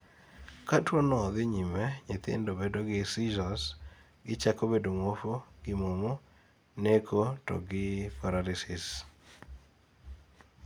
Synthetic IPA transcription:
katwonɔðɪɲimɛɲɪt̪ḛndobedoɡɪsid͡ʒɔs | ɡɪt͡ʃakobedomofoɡ̥ɪmomo | nekʰotɔ̰ɡɪpaɾaɾɪsɪs

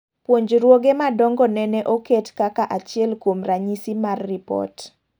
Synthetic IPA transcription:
pwoɲd͡ʒɾwoɡemadɔŋɡɔnɛnɛʔoketkakaʔat͡ʃɪɛlkwomraɲisimarːipɔ̰t

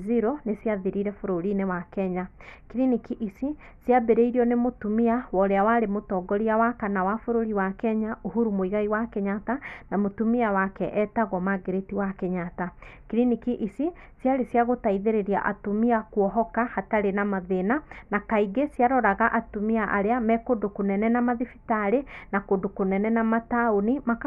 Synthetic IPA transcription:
ziɾonesiaðiɾiɾɛfoɾoɾinewakɛɲakiɾinikiʔisi | sjabeɾeiɾiɔnemotumiawɔɾeawaɾemotɔɡɔɾiawakanawafoɾoɾiwakɛɲaʔoɦuɾumoiɣaiwakeɲatanamotumiawakɛʔɛtaɣɔmaɡeɾetiwakeɲatakiɾinikiʔisi | sjaɾesjaɣotaiðeɾeɾia̰ʔa̰tomiakuɔɦɔkahataɾenamaðenanakaiɡesjaɾɔɾaɣaʔatumiaʔaɾeamɛkodokonɛnɛnamaðifitaɾenakondokonɛnɛnamataonima

